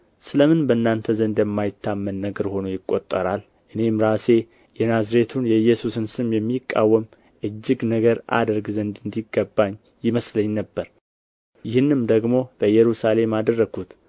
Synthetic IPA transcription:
sɨləmɨnbənːant̪ʰəzənd̪jɛmːajɪt̪ʰːamːənːəɡəɾho̞nujɪkʼːo̞t̪ʼːəɾal | ʔɨne̞mɾase̞ | jɛnazɾe̞t̪ʰunjɛɨjːɛsusɨnsɨmjɛmːikʼːa̰wːəm | ʔɨd͡ʒːɪɡnəɡəɾʔa̰d̪əɾɡzənd̪ɨnd̪iɡːəbːaɲː | jɪməsləɲːnəbːəɾ | jɪhɨnːɨmd̪əɡmo̞b̥əjːɛɾusale̞mad̪ərːəɡut̪

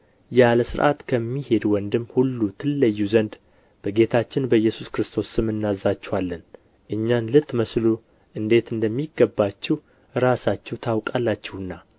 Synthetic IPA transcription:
jaləsɨɾʔa̰t̪kʰəmːihe̞d̪wɔnd̪ɨmːhulːut̪ʰɨlːəjːuzənd̪ | b̥əɡe̞t̪ʰat͡ʃːɪnbəjːɛsuskɾɨst̪ʰo̞sːɨmɨnːazːat͡ʃːɛwalːən | ʔɨɲːanlɨt̪ːməslu | ʔɨnd̪e̞t̪ɨnd̪əmːiɡəbːat͡ʃːɛw | ɾasat͡ʃːɛwt̪ʰawkʼalːat͡ʃːɛwɨnːa

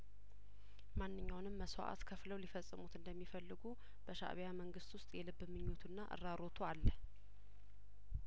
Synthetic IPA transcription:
manːɨɲːawnɨmːəswa̰ʔa̰t̪kʰəfləwlifəsʼːɨmut̪ɨnd̪əmːifəlːɨɡu | b̥əʃa̰ʔβjaməŋɡɨst̪wʊst̪ʼjɛlɨbːmɨɲːot̪ʰunːaʔɨ̰ɾːaɾo̞t̪ʰualːəh

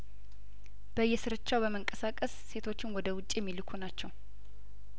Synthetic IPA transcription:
b̥əjːɛsɨɾɨt͡ʃːawbəməŋkʼəsakʼəsːe̞t̪ʰo̞t͡ʃːɪnwɔd̪əwʊt͡ʃʼijɛmːilɨkʰunat͡ʃːɛw

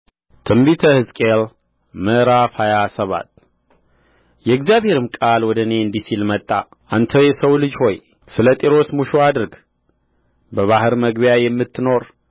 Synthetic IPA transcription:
t̪ʰɨmbit̪ʰəhɨzkʼel | məɾafajasəβa̰t̪ | jɛɡzjaβhe̞ɾɨmkʼalwɔd̪əne̞ɨnd̪isilmət̪ʼːa | ʔant̪ʰəjɛsəwlɨd͡ʒho̞j | sɨlət̪ʼiɾo̞smuʃoad̪ɨɾɡ | bəβahɨɾməɡbjajɛmːɨt̪ʰːɨno̞ɾ

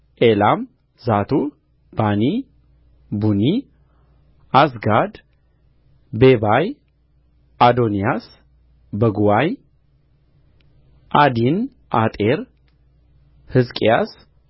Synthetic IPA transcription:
ʔelam | zat̪ʰu | b̥ani | buni | asɡad̪ | bebaj | ad̪onijas | bəɡuwaj | ʔad̪in | ʔat̪ʼeɾ | hɨzkʼijas

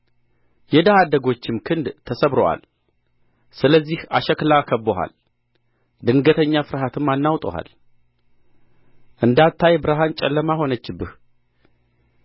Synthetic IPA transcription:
jɛd̪ahad̪əɡo̞t͡ʃːɪmkʰɨnd̪t̪ʰːəsəβɾowa̰l | sɨləzːihaʃɛklakʰəbːoɦa̰l | d̪ɨŋɡət̪ʰəɲːafɨɾhat̪ʰɨmːanːawt̪ʼo̰ha̰l | ʔɨnd̪at̪ʰːajbɨɾaɦant͡ʃʼɛ̰lːəmaho̞nət͡ʃːɪbːɨh

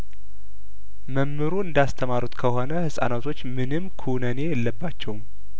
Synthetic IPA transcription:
məmːɨɾuɨnd̪ast̪ʰəmaɾut̪kʰəho̞nəhɨsʼa̰nat̪ʰo̞t͡ʃːmɨnɨmːkʰunəne̞jɛlːəbːat͡ʃːɛwm

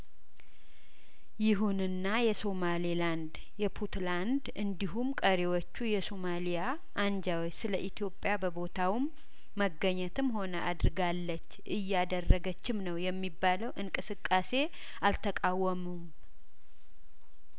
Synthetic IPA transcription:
jɪɦunɨnːajɛso̞maliland̪ | jɛpʰut̪land̪ɨnd̪iɦumkʼəɾewot͡ʃːujɛsomalija | ʔːnd͡ʒawt͡ʃːsɨləʔit̪ʰjo̞pʼːjabəbo̞t̪ʰawmː | əɡːəɲːət̪ʰɨmɦo̞nəʔad̪ɨɾɨɡalːət͡ʃːʔɨjːad̪ərːəɡət͡ʃːɪmnəwjɛmːibːaləwʔɨŋkʼɨsɨkʼːase̞ | ʔalt̪ʰəkʼawːəmum

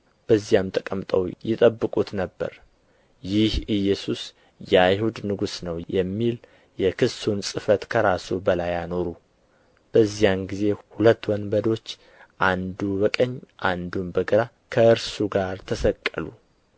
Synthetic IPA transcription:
b̥əzːijamt̪ʰəkʼəmt̪ʼəwjɛt̪ʼəbːɨkʼut̪nəbːə̰ɾ | jɪhɨjɛsus | jajhud̪nɨɡusnəwjɛmːil | jɛkʰɨsunsʼɨfət̪kʰəɾasubəlajano̞ɾu | b̥əzːijamɡize̞hulət̪ːwɔnbəd̪o̞t͡ʃː | ʔand̪ubəkʼəɲːʔand̪umbəɡəɾa | kʰəʔɨɾsuɡaɾt̪ʰəsəkʼːəlṵ

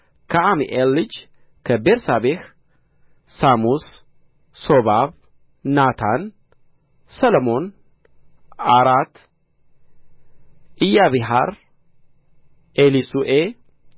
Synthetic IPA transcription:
kʰaamiʔelːɨd͡ʒ | kʰəbeɾsabeh | samus | sobaβ | nat̪ʰan | sɐlmo̞n | aɾat̪ː | ʔɪjːaβiɦa̰ɾ | ʔelisuʔe

